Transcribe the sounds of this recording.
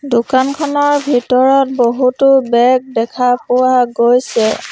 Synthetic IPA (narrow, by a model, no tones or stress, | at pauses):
dʊkankʰɔnɔɹbʱitɔɹɔt̚boɦutʊbɛɡ̚dɛkʰapʊwaɡojsɛ